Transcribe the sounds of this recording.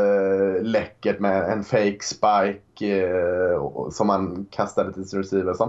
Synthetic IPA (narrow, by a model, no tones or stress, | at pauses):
lɛkːəʈmɛɛnfeɪkspaɪk | sɔmhankʰast̪ad̪ət̪ʰɪlsɪnɾɛsiːvəsɔm